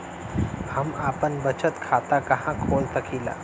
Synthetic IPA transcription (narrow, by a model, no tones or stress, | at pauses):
həmaːpənbət͡ʃət̪kʰaːt̪akɐɦãkʰoːlsɐkʰiːla̰ː